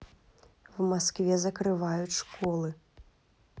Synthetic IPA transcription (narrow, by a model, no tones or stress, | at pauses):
wmaskvʲɛzɐkɾɨvajut͡sʲʂkɔlˠɨ